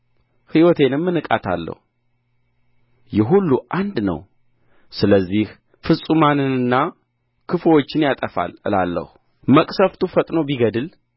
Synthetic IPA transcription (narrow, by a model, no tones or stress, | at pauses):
hiwɔt̪ʰe̞nɨmːɨnɨkʼat̪ʰa̰lːə̰hu | jɛɦulːuʔand̪nə̰w | sɨləzːih | fɨsʼumanɨnɨnːa | kʰɨfwot͡ʃːɪnjat̪ʼəfa̰lɨ̰la̰lːə̰hu | məkʼsəft̪ʰufət̪ʼno̞biɡəd̪ɨl